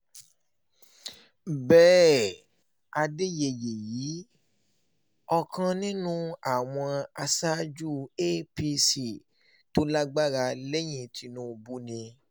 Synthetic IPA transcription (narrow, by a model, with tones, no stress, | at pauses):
bɛː˦ | a˧de˦je˨je˨ji˨˦ | ɔ˧kʰã˧nĩ˦nũ˦a˨w̃ɔ̃˧a˧sa˦d͡ʒu˦e˦pi˧si˨ | to˦la˦ɡ͡ba˦ɾa˧le˦j̃ĩ˧tʰi˧nũ˦˧bu˦nĩ˧